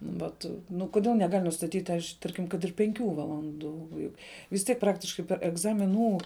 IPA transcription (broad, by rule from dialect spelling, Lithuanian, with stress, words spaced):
ˈʋɐt ˈnʊ kʊˈdʲeːlˠ nʲɛˈɡɐlʲ nʊstɐˈtʲiːtʲ ɐʃ ˈtɐrʲkʲɪm kɐt ɪr pʲɛŋʲˈkʲuː ʋɐlˠɐnˈduː ˈjʊk ʋʲɪs ˈtʲiɛk ˈprɑːktʲɪʃkɐɪ pʲɛr ɛɡzɐmʲɪˈnuː